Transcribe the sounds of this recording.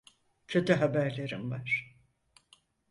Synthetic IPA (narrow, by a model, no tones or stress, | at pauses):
cʰø̞t̪ʰyɦabæɾlʲe̞ɾḭmvaɾ̥